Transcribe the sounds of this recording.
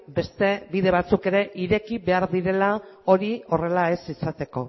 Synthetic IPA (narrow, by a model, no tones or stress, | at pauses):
be̞st̪e̞βiðe̞β̞at͡suke̞ɾe̞ʔiɾe̞kiβe̞aɾðiɾe̞lao̞ɾio̞re̞lae̞sisat̪e̞ko̞